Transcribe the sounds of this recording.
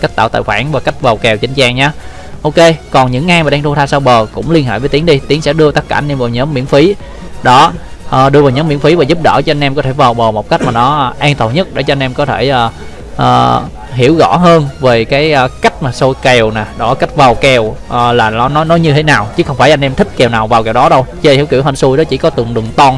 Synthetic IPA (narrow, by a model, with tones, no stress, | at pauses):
ka˦˥k̚ta̰ː˧˨wt̪a̰ː˧˨jxwaː˧˩nvaː˨˩ka˦˥jk̚va˨˩wkɛ˨˩wt͡ɕï˨˦ŋ̟t͡ɕaː˧ŋɲaː˨˦ | ʔo˧ke˧kɔ˨˩nɲɨ̰˧˥ŋːaː˧jmaː˨˩ɗaː˧t̪ʰu˧t̪ʰaː˧saː˧wɓəː˨˩kʊ̰˧˥ŋ͡mli˧ənɦḛː˧˨vəː˨˦jt̪i˨˦əŋɗi˧t̪i˨˦əŋsɛ̰˧˥ɗɨ˧ət̪ə˦˥t̚kaː˧˩˨nʔe˧mvaː˨˩wɲəː˨˦mːḭ˧˥ənfi˨˦ | ɗɔ˨˦ | ʔəː˨˩ɗɨ˧əvaː˨˩wɲəː˨˦mːḭ˧˥əmfi˨˦vaː˨˩zu˦˥p̚ɗə̰ː˧˩t͡ɕɔ˧ʔa˧jn̟ʔɛ˧mkɔ˨˦t̪ʰe˧˩vaː˨˩wɓəː˨˩mo˨˩k͡p̚ka˦˥jk̟̚maː˨˩nɔ˨˦ʔʔaː˧nt̪ə˨˩nɲə˦˥t̚ɗe˧˩t͡ɕɔ˧nʔɛ˧mkɔ˨˦t̪ʰe˧˩ʔəː˨˩ | ʔəː˨˩ | ɦi˧˩əwɣɔ̰˧˥ɦəː˧nve˨˩kaː˨˦jʔəː˨˩ka˦˥jk̟̚maː˨˩so˧jke˨˩wna˨˩ɗɔ˨˦ka˦˥jk̟̚vaː˨˩wkɛ˨˩wʔəː˨˩laː˨˩nɔ˨˦nɔ˨˦nɔ˨˦jɲɨ˧t̪ʰe˨˦naː˨˩wt͡ɕɨ˨˦˥xə˧wŋ͡mfaː˧˩jʔa˧nʔɛ˧mt̪ʰï˦˥k̟̚kɛ˨˩wnaː˨˩wvaː˨˩wkɛ˨˩wɗɔ˨˦ɗə˧wt͡ɕe˧i˨˦wkḭ˧˩əwɦə˧˩nsu˧jɗɔ˨˦t͡ɕḭ˧˩kɔ˨˦t̪ɨ˨˩əŋɗɨ˨˩ŋt̪ɔ˧n